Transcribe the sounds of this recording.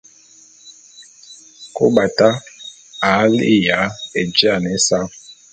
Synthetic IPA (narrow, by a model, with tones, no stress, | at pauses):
ko˦ba˨ta˦ | a˨˦li˦ja˨˦e˨d͡ʒi˦a˦˨nɛ˦sa˦